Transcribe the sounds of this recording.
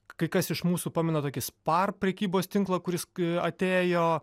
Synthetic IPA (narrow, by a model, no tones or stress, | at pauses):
kɐɪkɐsɪʃmuːsuːpɑːmʲɛnɐt̪oːkʲɪspɐrpʲɾʲɛkʲiːboːst̪ʲɪŋklˠɐkʊɾʲɪsɐt̪ʲeːjoː